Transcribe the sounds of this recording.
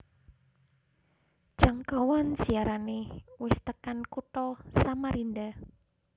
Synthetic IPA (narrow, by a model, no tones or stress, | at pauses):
ʒ̥aŋkawɔnsiaɾanewɪst̪əkankuʈ̪ɔsamaɾinɖa